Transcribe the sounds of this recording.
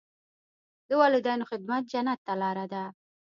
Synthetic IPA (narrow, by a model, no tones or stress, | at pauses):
d̪əwɑlud̪ajnoxɪd̪̚mat̪̚d͡ʒanat̪ːalɑɾad̪a